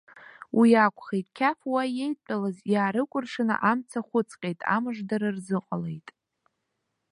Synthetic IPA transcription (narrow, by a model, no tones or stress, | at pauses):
wʔijakʷʰʼχejtʼkʲʰafwaje̞jt͡pʼalazjaːɾɨkʷʼʊrʂɨnɨ̰ʔamt͡sʰaχʷʊt͡sʰʼqʲʼejtʼa̰mɨʐdaɾɨrzɨqʼale̞̰jtʼ